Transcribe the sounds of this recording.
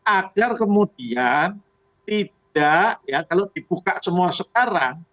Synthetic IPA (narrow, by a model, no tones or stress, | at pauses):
ʔaɡ̥arkəmudian | t̪id̥aʔjakalod̥ib̥ukaʔsəmuasəkaɾaŋ